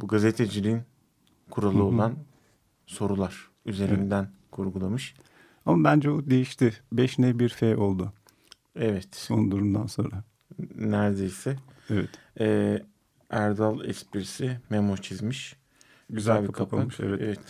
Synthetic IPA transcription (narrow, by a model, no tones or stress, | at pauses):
buɡazet̪ʰed͡ʒilʲiin | kʰuɾalˠɯo̞an | so̞ɾulˠaɾ̥ | yze̞ɾind̪æn | kʰuɾɡulˠamɯʃ | amabænd͡ʒɛbud̪e̞jiʃt̪ɪbɛʃnɛbiɾfɛjo̞lˠd̪ʊ | ɛvɛt̪onund̪uɾund̪anso̞nɾa | næɾd̪ejsɛvɛt̪ː | æɾd̪alˠɛ̰spiɾsimemo̞t͡ʃʰizmiʃ | ɟyzælʲbiakʰapʰaamɯʃḛvɛevɛt̪